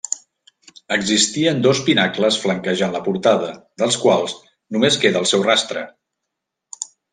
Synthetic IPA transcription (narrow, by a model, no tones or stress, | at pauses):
əɡzist̪iənd̪ospinakləsfləŋkəʒanləpuɾt̪aðəd̪əlˠskwalˠz | numeskeðəːlˠsɛwrast̪ɾə̰